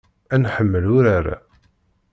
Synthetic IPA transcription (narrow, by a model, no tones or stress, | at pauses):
ænħəmːəlʊɾaɾa̰